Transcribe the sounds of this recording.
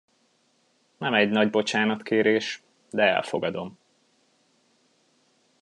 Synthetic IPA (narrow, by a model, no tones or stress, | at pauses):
nɛmɛɟnɒɟbo̞t͡ʃaːnɒt̪keːɾeːʃ | d̪ɛɛ̰lfo̞ɡɒd̪o̞m